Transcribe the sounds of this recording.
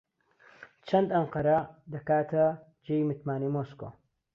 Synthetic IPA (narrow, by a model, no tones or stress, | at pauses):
t͡ʃʰɐnd̪ɐɴqɐɾɐd̪ɐkaːt̪ʰɐ | d͡ʒeːjmɨt̪maːnemoːsko̰ː